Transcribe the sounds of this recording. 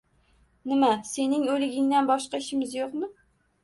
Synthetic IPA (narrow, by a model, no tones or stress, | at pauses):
nɪmase̞nɪŋolɪɡʲɪŋd̪anbɒʃqɑɪʃɪmɪzjoqmɪ